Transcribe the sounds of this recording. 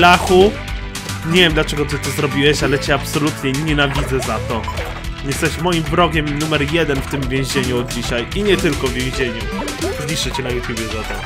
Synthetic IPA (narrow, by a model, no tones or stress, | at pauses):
laxu | ɲɛvʲjɛmd̪lat͡ʂɛɡɔt̪ɨt̪ɔzɾɔbʲiwɛɕalɛt͡ɕɛapsɔlut̪ɲɛɲɛnavʲid̪zɛzat̪ɔ | jɛst̪ɛɕmɔjimbɾɔɡʲɛmnumɛɾjɛd̪ɛnft̪ɘmvʲjẽw̃ʑeɲuɔd̪̚d͡ʑiɕajiɲɛt̪ɘlkɔvvʲjẽw̃ʑeɲu | zlʲiʂɛt͡ɕɛnajɛt̪ʲjubʲjɛzat̪ɔ